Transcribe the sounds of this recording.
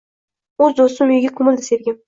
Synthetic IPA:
ɵzd̪ost̪ɪmʊjɪɡʲakʰomɪld̪ɪseɾɡʲɪm

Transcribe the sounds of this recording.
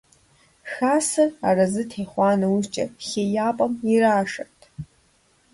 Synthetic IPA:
xasɨrarazɨtʰejχʷanauzt͡ʃʼa̰χʲejapʼamiraːʂatʼ

